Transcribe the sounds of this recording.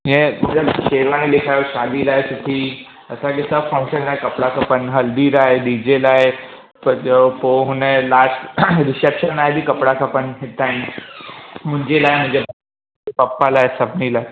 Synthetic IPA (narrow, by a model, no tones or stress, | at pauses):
jẽmɐt̪ləbʃeːɾʋãnẽlekʰajoʃaːlilaɦesʊt̪ʰiː | ɐsãkesəbfə̃ŋkʃənaːɦekɐpɽakʰapənɦɐld̪iːɾaɦeɖid͡ʑelaːɦe | pɐɾd͡ʑepoɦʊnelaʈʈɾɪsepʃənaːɦebʱikɐpɽakʰapənɦɪt̪aɦɪn | mʊ̃ɲd͡ʑelaːemʊ̃ɲd͡ʑeba | epɐpːalaːɦesɐbnilae